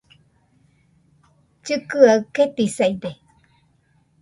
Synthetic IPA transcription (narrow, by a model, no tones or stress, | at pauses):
t͡ʃɨkɯaɯket̪isaid̪e